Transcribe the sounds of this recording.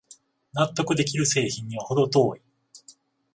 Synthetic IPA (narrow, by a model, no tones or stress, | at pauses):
nat̪ːo̞kɯ̟d̪e̞k̬ʲiɾɯ̟se̞ːçĩɲ̟ːiβaho̞d̪o̞t̪o̞ːi